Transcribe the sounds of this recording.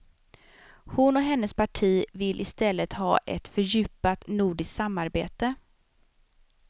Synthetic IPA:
hʊnɔɦɛnːəspʰaʈʰiːvɪlʔɪst̪ɛlːət̪hɑ̰ːʔɛ̰t̪fœɾjʉ̟ːpat̪nuːɖɪsk̪samːaɾbḛːt̪ə

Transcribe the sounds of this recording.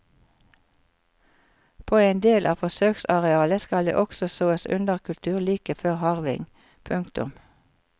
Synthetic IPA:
pʰoːeːnd̪eːlʔɑːfɔsøːksɑʁɛɑːləskɑld̪ḛːʔɔksɔsoːəsʉ̰nd̪əʁkʰʉlt̪ʰʉːʁliːkəføːʁhɑʁʋɪ̰ŋ | pʰʉŋkt̪ʊ̰m

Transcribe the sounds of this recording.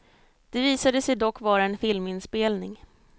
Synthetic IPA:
d̪̥ɛviːsad̪əsɛjd̪ɔkːvɑːɾaɛnfɪlmɪnspeːlnɪŋ

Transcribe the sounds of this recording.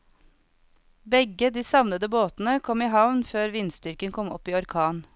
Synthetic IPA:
bɛɡəd̪iːsɑʋnəd̪əboːt̪n̩əkʰɔmiːɦɑʋnføːɾʋɪnst̪ʏɾkənkʰɔmɔ̰piːɔɾkʰɑːn

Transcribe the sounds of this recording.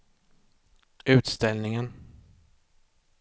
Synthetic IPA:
ʉ̟ːt̪st̪ɛlnɪŋən

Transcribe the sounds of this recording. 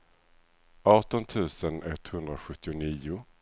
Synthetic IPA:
ɑːʈɔnt̪ʰʉ̟ːsənɛt̪ːhɵnd̪ɾaɧɵt̪ːɪʊniːʊ

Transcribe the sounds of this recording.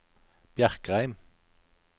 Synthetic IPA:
b̥jæʁkʁæɪm

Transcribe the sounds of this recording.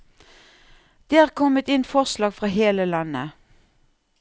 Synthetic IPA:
d̪̥eːæːʁkʰɔmət̪ɪnfɔʁslɑːɡfʁɑːheːləlɑnə̰

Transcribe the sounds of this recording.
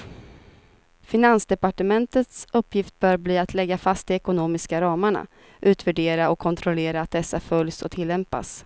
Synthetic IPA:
fɪnansd̪ɛpaʈəmɛnt̪ət̪sɵpːjɪft̪̚bœːɾbliːat̪ʰlɛɡːafast̪ɪɛkʊnoːmɪskaɾɑːmaɳa̰ | ʔʉ̟ːt̪væɖeːɾaɔkʰːɔnt̪ʰɾɔleːɾaːt̪̚d̪ɛsːafœljsɔ̰t̪ʰɪlːɛmpa̰s

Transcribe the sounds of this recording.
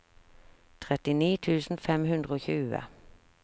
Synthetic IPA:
t̪ʰʁɛt̪ɪniːt̪ʰʉːsn̩fɛmɦʉnd̪ʁəoːçʉːə̰

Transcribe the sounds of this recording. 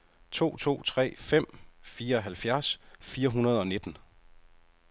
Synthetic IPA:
t͡sʰo̝̰ːt͡sʰo̝̰ːt͡sʰʁɛ̰ːfem̰fiːɐɒ̽ɦælfjæɐsfiːɐɦunɐð̞ˠɒ̽ne̝d̥n̩

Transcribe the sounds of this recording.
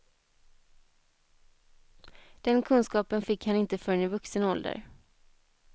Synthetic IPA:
d̪̥ɛnkʰɵnskɑːpənfɪkːhanɪnt̪əfœɾnɪvɵksənɔld̪ə̰ɾ

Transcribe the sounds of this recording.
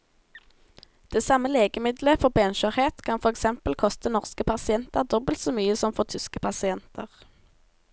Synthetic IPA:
d̪̥eːsɑməleːɡəmɪd̪ləfɔʁbɛnʃøːʁheːt̪kʰɑnfɔʁɛksɛmpəlkʰɔst̪ənɔʁskəpʰɑsɪɛnt̪əʁd̪ɔbəlt̪soːmyːəsɔmfɔʁt̪ʰʏskəpʰɑsɪɛnt̪ʰə̰ʁ

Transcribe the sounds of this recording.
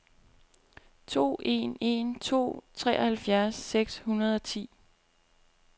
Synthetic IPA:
t͡sʰo̝̰ːe̝ne̝nt͡sʰo̝̰ːt͡sʰʁɛ̰ːɒhælfjæɐsːeɡ̥shunɐð̞ˠɒ̽t͡sʰḭː

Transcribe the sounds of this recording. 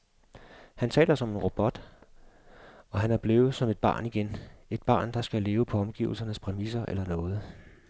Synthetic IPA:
hænt͡sʰɛ̰ːlɐsɒ̽me̝nʁo̝b̥ɒ̽d̥ | ɒ̽ɦænæɐb̥le̝ːʊð̩ˠsɒ̽me̝d̥̚b̥ɑ̰̈ːniɡ̥ene̝d̥̚b̥ɑ̈ːnd̥ɑ̈sɡ̥æle̝ːʊəpʰɒ̽ɒ̽mɡ̥ḭʊl̩sɐnəspʰʁɛmisɐʔḛlɐnɔ̽ːð̞̩ˠ

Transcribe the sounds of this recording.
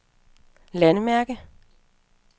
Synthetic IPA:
lænəmæɐɡ̥ə

